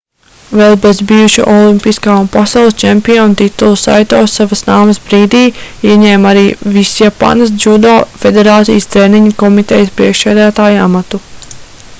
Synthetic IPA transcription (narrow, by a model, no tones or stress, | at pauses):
vɛlˠbezbijuʃṵʔɔlˠimpiskaːunpasɑwlˠsʲt͡ʃɛmpiɔunt̪it̪ulˠusa̰jt̪oːsavɐsnaːmɐsbɾiːd̪iːiɛɲɛːmaɾiːvisjapa̰nɐs̬d͡ʒud̪aːfed̪eɾaːt̪sḭjəst̪ɾeːniɲɐkɔmit̪ɛjəspɾiɛkʃsæːd̪æːt̪aːja̰mat̪u